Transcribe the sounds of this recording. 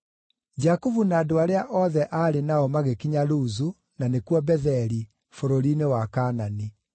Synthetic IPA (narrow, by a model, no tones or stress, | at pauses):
d͡ʒakuvunaːdoaɾeaʔɔðɛʔaːɾenaɔmaɣekiɲaluzu | nanekwɔbɛðɛɾi | foɾoɾinewakanani